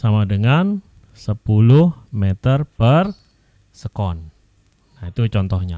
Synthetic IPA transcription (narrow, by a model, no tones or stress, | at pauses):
samadəŋan | səpulʊhmet̪ərpər | səkɔnː | ait̪ut͡ʃɔnt̪ɔhɲa̰